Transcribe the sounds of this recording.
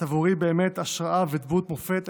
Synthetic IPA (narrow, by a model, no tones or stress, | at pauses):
avuʁibe̞ːmet̪aʃʁaʔaved̪but̪mofet̪